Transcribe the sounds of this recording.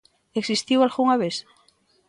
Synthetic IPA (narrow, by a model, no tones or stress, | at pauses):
eksist̪iwalɣuŋaβeθ